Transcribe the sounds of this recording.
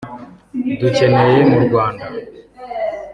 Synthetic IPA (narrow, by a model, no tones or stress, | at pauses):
dut͡ʃɛnɛjɛmuɾɡwanda